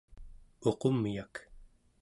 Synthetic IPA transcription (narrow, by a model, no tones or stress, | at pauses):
o̞qomːijak